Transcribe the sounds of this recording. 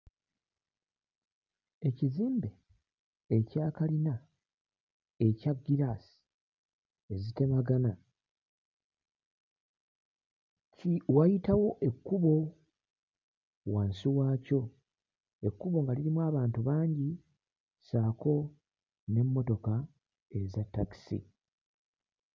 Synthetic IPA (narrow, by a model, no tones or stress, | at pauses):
e̞ciziːmbe̞ː | caːkalina | e̞caɡːiɾasi̥ | e̞zite̞maɡana | cwajitawo̞ʔe̞kːuβo̞ | waːnsiwaːco̞ | e̞kːuβo̞ŋɡaliɾimwaːβaːntuβaːɲɟi | saːko̞ | ne̞mːo̞to̞ka | e̞zatːaki̥sḭ